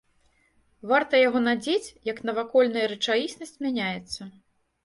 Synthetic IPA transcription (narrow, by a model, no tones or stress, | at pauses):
vart̪ɐjaɣɔnad͡zʲet͡sʲjɐknɐvakɔlʲn̪ɐjɐɾɨt͡ʂajisnɐsʲt͡sʲmʲanʲajɛt̪sːɐ